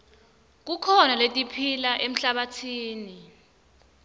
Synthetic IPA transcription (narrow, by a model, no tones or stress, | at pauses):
k̬ukʰɔnaletʼipʰilaʔem̩ɬaɓatʰiːni